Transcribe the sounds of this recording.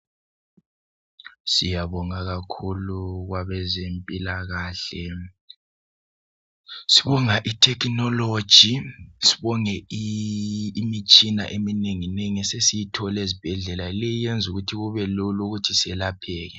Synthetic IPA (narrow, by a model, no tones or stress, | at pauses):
sijaβɔŋaɣakʰuluɣwaβɛzempʼilaɣaːɬɛ | si̥βɔŋaʔitʰɛkʰnɔlod̥ʒ̥ʱisi̥βɔŋɛ | mit͡ʃʼina̰ʔemineŋineŋɛsesijitʰɔlezib̥ʱɛɮɛlailɛjijend͡zʱuɣutʰiɣuβɛluluɣutʰisɛlapʰɛːɣɛ